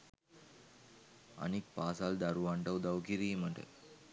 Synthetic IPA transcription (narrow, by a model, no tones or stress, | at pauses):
ɐ̰nik̚paːsaːld̪ɐɾuʋaɳʈɐʋd̪ɐwkiɾimɐɳʈə̰